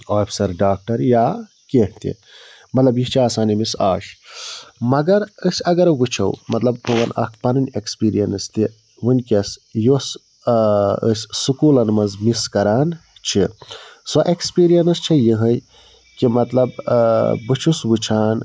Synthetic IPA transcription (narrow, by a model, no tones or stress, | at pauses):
aːpʰi̥sɐɾɖaːk̚ʈɐɾjaː | keɦt̪ḭ | mɐt̪lɐbjit͡ʃʰiaːsaːnimisaːʃ | mɐɡɐɾəsɐɡɐɾbut͡ʃʰɐ̰wmɐt̪lɐbowɐnɐ̰kʰpɐnɐnʲekspiːɾijɐnst̪i | wunʲkesjos | ə̰ssukuːlɐnmɐnzmiskɐɾaːnt͡ʃʰisɔʔekspiːɾijɐnst͡ʃʰɐjiɦəj | kimɐt̪lɐb | bɨt͡ʃʰuswut͡ʃʰaːn